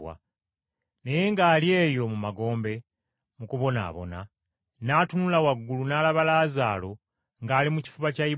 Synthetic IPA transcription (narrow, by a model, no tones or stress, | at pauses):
a̰ | ne̞je̞ŋɡaːlje̞ːjo̞mumaɡo̞ːmbe̞ | mukuβo̞na̰ːβo̞̰na̰ | naːtunulawaɡːulunaːlaβalaːzaːlo̞ | ŋɡaːlimuci̥fuβacai